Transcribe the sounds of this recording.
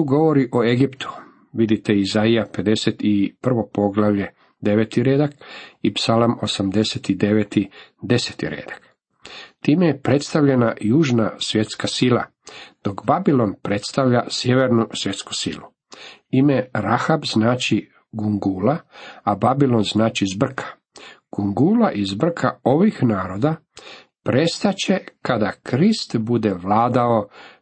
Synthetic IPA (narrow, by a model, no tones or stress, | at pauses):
t̪uɡo̞ʋo̞ɾiʔoe̞ɡipt̪u̥ | ʋid̪it̪e̞izaijape̞d̪e̞set̪ipr̩ʋo̞po̞ɡlˠaʋʎe̞ | d̪e̞ʋet̪iɾed̪akipsalˠmo̞samd̪e̞set̪id̪e̞ʋet̪id̪e̞se̥t̪ḭɾḛːd̪ḁk | t̪iːmejepɾe̞t̪st̪aʋʎe̞najuːʒnasʋje̞t̪skasilˠa | d̪̥o̞kbabilˠo̞npɾe̞t̪st̪aʋʎasjeʋeɾnusʋje̞t̪sku̥sḭlu | imeɾaxabznaːt͡ɕi | ɡuŋɡuːlaababilˠo̞nznaːt͡ʃizbr̩kʰḁ | ɡ̥uŋɡuːlaʔizbr̩kʰao̞ʋixnaːɾo̞d̪a | pɾe̞st̪at͡ɕe̞kad̪akɾist̪bud̪eʋlaːd̪ao̞